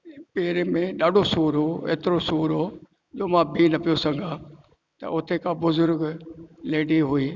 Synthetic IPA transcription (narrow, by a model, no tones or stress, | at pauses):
peːɾemẽɗaːɖʱosuːɾɦoːḛːt̪ɪɾosuːɾɦoː | d͡ʑoːmãːbʱiːnɐpijosɐ̃ŋɡʱãː | t̪ɐ̰ʔʊt̪ʰekãbʊzʊɾɡleːɖiɦʊiː